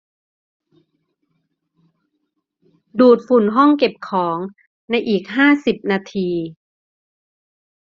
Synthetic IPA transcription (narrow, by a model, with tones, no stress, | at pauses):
duː˨˩t̪̚fu˨˩nɦɔ˥˩ŋke˨˩p̚kʰɔː˩˦ŋ | na˧jʔiː˨˩k̚ɦaː˥˩si˨˩p̚naː˧t̪ʰiː˧